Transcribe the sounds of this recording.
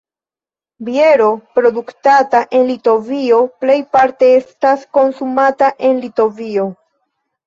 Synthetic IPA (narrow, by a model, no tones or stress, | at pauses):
bie̞ɾo̞pɾo̞duktataʔe̞nlito̞vio̞ple̞jpaɾte̞e̞stasko̞nsumataʔe̞nlito̞vio̞